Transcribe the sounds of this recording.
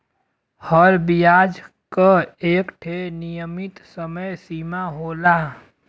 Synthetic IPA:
həɾbijaːd͡ʒ | kaeːkʈʰenijəmɪt̪səməjsiːmaɦoːlaː

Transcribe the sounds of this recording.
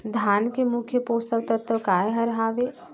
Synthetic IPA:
d̪ʱaːnkemʊkʰjəpoːst̪ək̚t̪ət̪ʰəkaːeɦɐɾɦaːʋeː

